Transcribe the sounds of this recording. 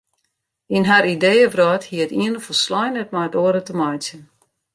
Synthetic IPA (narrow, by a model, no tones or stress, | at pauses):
inɦaɾideːəvrɔːthiəətiənəfoslɔjnɛt̚majətoəɾətəmɔjsjən